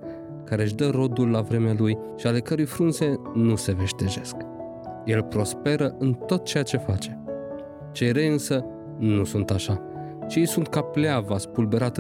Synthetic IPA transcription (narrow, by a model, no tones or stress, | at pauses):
kaɾe̞ʃ̬d̪əɾo̞d̪ulːavɾe̞mealuj | ʃiale̞kəɾujfɾunze̞nuse̞ve̞ʃt̪e̞ʒe̞sk | je̞lpɾo̞spe̞ɾəʔɨnt̪o̞t̪̚t͡ʃe̞jat͡ʃe̞fat͡ʃe̞ | t͡ʃe̞jɾejɨnsə | nusunt̪aʃa | t͡ʃejsunt̪kapleavaspulbe̞ɾat̪